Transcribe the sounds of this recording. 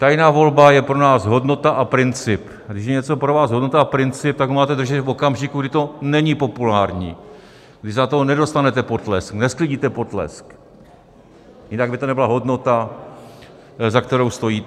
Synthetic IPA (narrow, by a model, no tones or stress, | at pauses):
t̪ajnaːvo̞lbajɛpɾo̞naːsɦo̞dno̞t̪aʔapɾɪnt͡sɪp | ɡdɪʃjɛɲɛt͡so̞pɾovaːsɦo̞dnot̪aapɾɪnt͡sɪp̚t̪aɡɦomaːt̪ɛd̪r̩ʒɛt̪fo̞kamʒɪkuɡdɪt̪o̞nɛɲɪpo̞pulaːɾɲḭː | ɡdɪzat̪onɛdo̞st̪anɛt̪ɛpot̪lɛ̰sknɛsklɪɟiːt̪ɛpo̞t̪lɛ̰sk | jɪnaɡ̚bɪt̪onɛbɪlaɦo̞dno̞t̪a | zakt̪ɛɾo̞wst̪o̞jiː